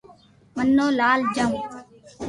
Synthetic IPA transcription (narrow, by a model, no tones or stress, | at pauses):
mənːoːlaːld͡ʒəm